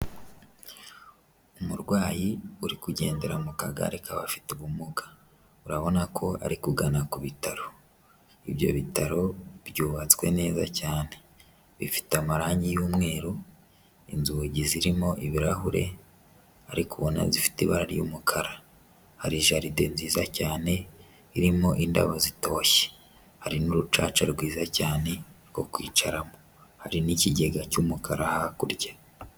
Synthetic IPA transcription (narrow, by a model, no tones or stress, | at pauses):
umuɾɡwaːjiuɾikuɟe̞̰ːnde̞ɾamukaɡa̰ɾekʰaβa̰fi̥tuβumuɡḁ | uɾaβo̞nakʰo̞a̰ɾikuɡanakuβitaɾo̞ | iβjo̞̰βitaɾo̞βɟuːβat͡skwe̞̰ne̞ːzacaːne̞ | βifi̥teamaɾaːɲijuːmŋe̞ːɾo | inzuɟiziɾimo̞ʔiβiɾaɦuɾe̞̰ | aɾikuβo̞na̰zifi̥tiβaɾaɾjṵːmukʰaɾa | haɾiʒaɾidenziːzacaːne̞ | iɾimo̞ʔinda̰βazito̞ːçe̥ | haɾinuɾut͡ʃaːt͡ʃaɾɡwiːzacaːne̞ | ko̞̰kwḭːt͡ʃaɾamo | haɾiniciɟe̞ɡacumukʰaɾahakuɾɟḁ